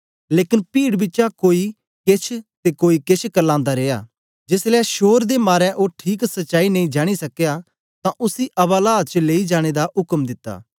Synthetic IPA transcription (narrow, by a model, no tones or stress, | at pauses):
leːkɪnpiːɽbɪtːt͡ʃakoːi | kɪt͡ʃʰt̪ekoːikɪt͡ʃʰkəlãːnd̪aɾeːja̰ː | d͡ʒɪslɛːʃoːɾd̪emaːɾɛ̃ʔoːʈʰiːksɐtːʃaːinɐ̃ĩd͡ʒaːɽ̃isɐkːeja | t̪ãʔʊsiʔɐbaːlaːt͡ʃəleːid͡ʒaːɽ̃ed̪aʊkəmd̪ɪt̪ːa̰ː